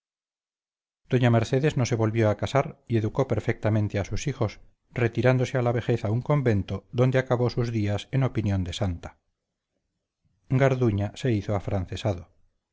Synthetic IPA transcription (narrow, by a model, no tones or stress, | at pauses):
d̪̥o̞ɲameɾθeðeznose̞βo̞lβjoakasaɾie̞ðuko̞peɾfek̚t̪amẽnt̪easusixo̞s | ret̪iɾand̪osealaβe̞xeθauŋko̞mbe̞nt̪oðond̪eakaβosuzðiaseno̞pinjond̪esant̪ḁ | ŋɡaɾðuɲase̞iθoafɾanθesaðo